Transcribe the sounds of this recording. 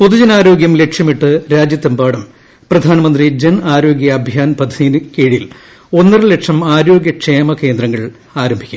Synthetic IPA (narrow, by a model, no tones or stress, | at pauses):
poðud͡ʑɐnaːɾo̞ːɡjɐmle̞kʂjɐmiʈːɨɾaːd͡ʑjɐt̪ːɐmbaːɽɐm | prɐd̪ʱaːnɐmɐnd̪rid͡ʑenaːɾo̞ːɡjɐːbʱjaːnpɐd̪ʱɐðijnɨkeːɻijil | o̞nːɐrɨle̞ʈʂɐmaːɾo̞ːɡjɐkʂeːmɐke̞ːnd̪rɐŋːɐɭ | aːɾɐmbʱikʲːu̥̰